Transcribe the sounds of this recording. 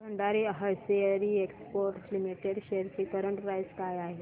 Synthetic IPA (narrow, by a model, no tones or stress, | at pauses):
əɳɖaɾiəɦəseəɾiekspoɾʈlimiʈeɾɕeɾt͡ɕiːkəɾəɳʈpɾajskajaɦe